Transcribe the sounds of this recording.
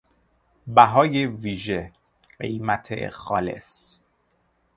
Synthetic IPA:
bæɦɒːjeviːʒe | ɢe̞̰jmæt̪ʰe̞̰xɒːle̞̰s

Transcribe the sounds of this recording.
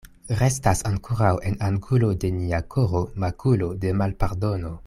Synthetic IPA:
ɾe̞stasaŋkoɾawe̞naŋɡulo̞de̞niakʰoɾomakʰulo̞de̞malpaɾdo̞no̞

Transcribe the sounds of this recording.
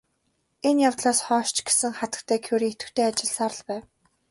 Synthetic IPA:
enjawt̪ɮaːsχɔːʃt͡ɕɡe̥sɘ̆ŋχat̪ə̥̆kt̪ʰæːkʰuɾiːet̪ɘ̆t̪ʰeːat͡ɕɪ̆ɮsaɾə̆ɮpæːw

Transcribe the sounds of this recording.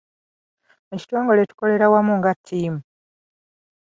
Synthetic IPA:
muci̥twoːŋɡoletu̥ko̞le̞ɾawamuŋɡatʰːiːmu

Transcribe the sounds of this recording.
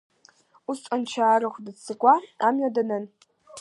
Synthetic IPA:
ustʼɐnt͡ʃʰaːɾɨχʷdɨt͡sʰːɨkʷʼaamɥadɐnɐn

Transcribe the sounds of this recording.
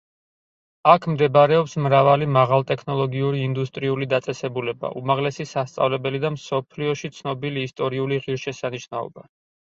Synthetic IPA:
akʰmd̪ɛbaɾɛɔpsmɾavalimaʁalˠt̪ʼɛkʰnɔlˠɔɡiuɾiːnd̪ust̪ʼɾiulid̪at̪sʼɛsɛbulɛba̰ʔumaʁlɛsisast̪sʼa̰vlɛbɛlid̪amsɔpʰliɔʃit̪sʰnɔbiliːst̪ʼɔɾiuliʁiɾʃɛsaniʃnaɔ̰ba

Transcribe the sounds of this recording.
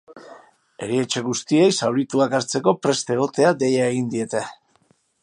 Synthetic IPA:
e̞̰ɾie̞t͡ʃe̞ɣ̞ust̪ie̞jsawɾit̪uakaɾt͡se̞ko̞pɾe̞st̪eɣo̞t̪e̞ad̪e̞jae̞ɣ̞ind̪ie̞t̪e

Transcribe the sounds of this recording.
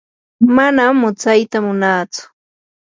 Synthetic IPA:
manamːʊt͡sajt̪amʊnaːt͡sʊ̥

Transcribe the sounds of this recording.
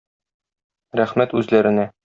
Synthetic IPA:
ɾæχmæt̪ʉzlæɾɘ̆næ

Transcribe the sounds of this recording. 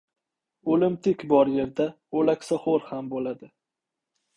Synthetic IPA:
olɪmt̪ʰɪkʲbɒɾje̞ɾd̪a | olakʲsɒhoɾhambolad̪ɪ

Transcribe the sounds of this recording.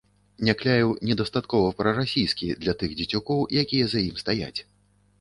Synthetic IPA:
nʲaklʲajiwnʲɛd̪ɐst̪at̪kɔvɐpɾɐɾasʲijskʲid̪lʲɐt̪ɨɣd͡zʲit͡sʲukɔwjakʲijɛzajimst̪aja̰t͡sʲ

